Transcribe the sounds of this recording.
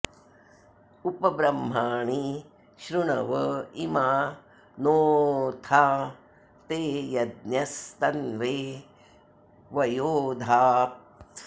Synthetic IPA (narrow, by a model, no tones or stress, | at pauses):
upɐbɾɐmːaːɳi | ʃɾuɳɐʋɐimaː | noːt̪ʰaː | t̪eːjɐd̪̚njɐst̪ɐnʋeː | ʋɐjoːd̪ʱaːp̪